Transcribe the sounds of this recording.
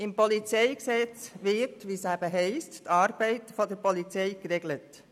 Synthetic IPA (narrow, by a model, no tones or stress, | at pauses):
ɪmpɔlit͡sɛɪksɛt͡sʋɪtʋiːsæbəɦɛɪsttɑːɾbɛɪtfɔdɛɾpɔlit͡seɪkɾeɡlət